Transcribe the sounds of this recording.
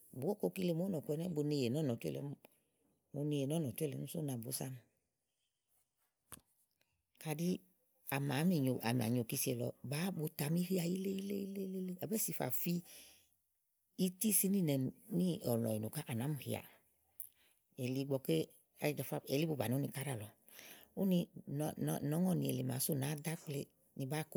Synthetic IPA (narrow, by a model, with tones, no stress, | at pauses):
bu˨˦o˦ko˦˧ki˦˧le˧˨mo˦nɔ˨ku˧ɛ˧nɛ˦bo˧ne˧je˨nɔ˦nɔ˨tu˦ɛ̰˦˨lɛ̰˨˦m˦ | o˧ne˧je˨nɔ˦nɔ˨tu˦ɛ˦˨lɛ̰˨˦u˦so˦na˨bo˨˦sa˦m˧ | ka˧di˦ | a˨ma˨˦mi˨ɲo˨ʔa̰˨mi˨a̰˨ɲ˨o˨ki˧si˧ɛ˧lɔ̰˧˨baː˨˦bo˧ta˨˧m˦i˦hi˦a˨ji˦le˦i˦le˦i˦le˦le˦le˦a˨bɛ˦si˧fa̰˨fi˧ | i˦ti˦si˦ni˦˨nɛ˨ni˦ɔ˨lɔ̰˨i˨no˨ka˦ʔa˨na˨˦mu˨hḭ˨a̰˨ | e˨li˧˦ɡ͡bɔ˧ke˦ | a˨˦˨fa˦˨e˨li˦bu˨˧ba˨nĩ˨˦u˦nĩ˧ka˦ɾa˦˨lɔ˨ | o˦ni˧n˨nɔ˨˦ŋɔ˦˨ni˨˧e˨le˨ma̰˨˦so˦˨naː˨˦da˦k͡ple˧ | ni˧baː˨˦ko˦